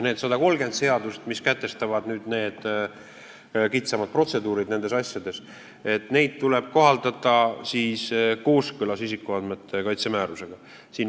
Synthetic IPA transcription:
ne̞ːd̪sɑd̪ɑko̞lɡe̞nd̪se̞ɑd̪ust̪miskæt̪ːˑe̞st̪ɑvɑd̪nyːd̪̥ne̞ːd̪̥ | kit̪sɑmɑd̪̥̚pro̞t̪se̞d̪uːɾid̪ne̞ne̞sɑsʲjɑd̪e̞s | e̞t̪ˑne̞jd̪̥̚t̪ːule̞b̥̚ko̞ɦɑld̪̥ɑt̪ːˑɑsiːsko̞ːskølɑsisikːˑuɑd̪met̪ːˑe̞kɑjt̪semæːɾuse̞ɡ̥ɑ | siːn

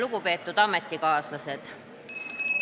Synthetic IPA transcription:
luɡ̥upe̞ːt̪ːˑud̪̥ɑmet̪ːikɑːslɑse̞d̪̥

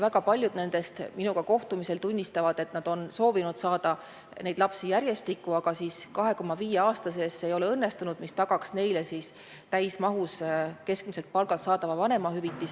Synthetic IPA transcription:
væɡ̥ɑpɑlʲjud̪ne̞nd̪̥e̞st̪minuɡ̥ɑko̞ht̪umise̞lt̪unʲːist̪ɑvɑd̪̥e̞t̪nɑd̪̥o̞nso̞ːvinud̪̥sɑːd̪̥ɑ | ne̞jd̪lɑpsijæɾje̞st̪ikːuɑɡ̥ɑsiskɑɦe̞ko̞mːɑviːjeɑːst̪ɑse̞sːe̞jo̞le̞ɤnːe̞st̪unud̪̥mist̪ɑɡ̥ɑksne̞jle̞siːs | t̪æjsmɑɦuske̞sk̚miselt̪̚pɑlɡ̥ɑlt̪sɑːd̪ɑvɑvɑne̞mɑhyvit̪ˑːis

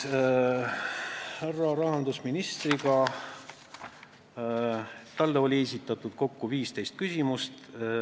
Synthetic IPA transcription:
hærːɑɾɑɦɑnd̪usminist̪riɡɑ | t̪ɑlːeo̞lʲies̬ʲit̪ːˑɑt̪ˑud̪̥ko̞kːuviːst̪e̞jst̪̚kysʲimust̪

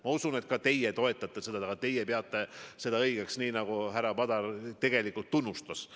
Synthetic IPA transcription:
mɑusune̞t̪̚kɑt̪e̞jet̪o̞e̞t̪ːˑɑt̪ːˑese̞d̪ɑɑɡɑt̪e̞jepeɑt̪ˑːe̞se̞d̪ɑɤjɡ̥eksniːnɑɡ̥uɦæɾɑpɑd̪ɑrt̪e̞ɡ̥e̞likːˑult̪ːunːust̪ɑs

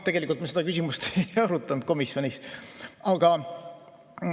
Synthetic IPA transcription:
t̪e̞ɡ̥e̞likult̪mesed̪ɑkysimust̪ejɑɾut̪ˑːɑnd̪̥̚ko̞misjo̞nʲisɑɡ̥ɑ

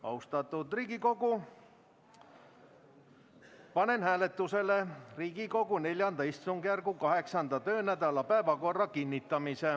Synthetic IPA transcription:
ɑ̰wst̪ɑt̪ːˑud̪̥riːɡiko̞ɡu | pɑne̞nhæːle̞t̪ːˑuse̞leriːɡ̥iko̞ɡune̞lʲjɑnd̪ɑist̪suŋɡjærɡukɑɦe̞ksɑnd̪ɑt̪ø̞ːnæd̪̥ɑlɑpæevɑko̞rːɑkinʲːit̪ːˑɑmise

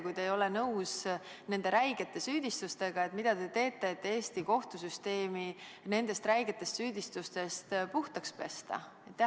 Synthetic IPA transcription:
kujd̪e̞jo̞lenɤws | ne̞nd̪̥eɾæjɡ̥e̞t̪ːˑe̞syːd̪̥ist̪ust̪e̞ɡ̥ɑe̞t̪ˑmid̪̥ɑd̪e̞t̪e̞ːt̪ːˑe̞ːt̪ːe̞ːst̪iko̞ht̪usyst̪e̞ːmine̞nd̪e̞st̪ræjɡ̥et̪ːˑe̞st̪syːd̪̥ist̪ust̪e̞st̪puht̪ɑkspe̞̰st̪ɑ̰ | et̪ː

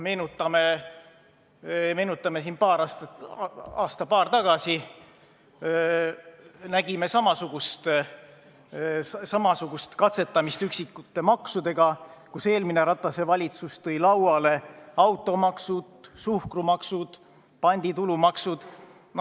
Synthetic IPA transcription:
me̞ːnut̪ːˑɑme | me̞ːnut̪ˑːɑme̞s̬inpɑːɾɑst̪ | ɑ̰ːst̪ɑpɑːrt̪ɑɡ̥ɑsi | næɡ̥ime̞sɑmɑsuɡ̥ust̪ | sɑmɑsuɡ̥ust̪kɑt̪se̞t̪ːˑɑmist̪yksikːˑut̪ːˑe̞mɑksud̪e̞ɡ̥ɑkuse̞ːlmineɾɑt̪ːˑɑse̞vɑlʲit̪sust̪ɤjlɑwɑle̞ɑwt̪ːˑo̞mɑksud̪̥suhkrumɑksud̪̥ | pɑnʲd̪̥it̪ulumɑksud̪̥ | n

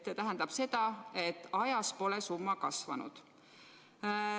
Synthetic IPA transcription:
set̪æɦænd̪ɑb̥se̞d̪̥ɑe̞t̪ːˑɑjɑspo̞lɛsumːɑkɑsvɑnṵd̪̥

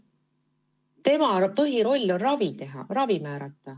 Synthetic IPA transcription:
t̪e̞mɑpɤɦiɾo̞lʲːorɑvit̪e̞ɦɑ̰rɑvimæːɾɑt̪ːˑɑ

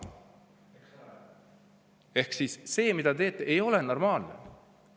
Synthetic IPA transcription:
e̞hksisːe̞ːmid̪̥ɑt̪e̞ːt̪ːˑeʔejo̞leno̞rmɑːlnḛ

